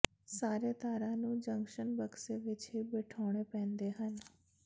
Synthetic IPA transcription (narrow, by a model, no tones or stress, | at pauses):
saːɾeːt̪aːɾãːnũːd͡ʒə̃ŋkʃənbəkseːʋɪt͡ʃɦiːbeːʈʰɔːɽ̃eːpɛ̃ːnd̪eːɦən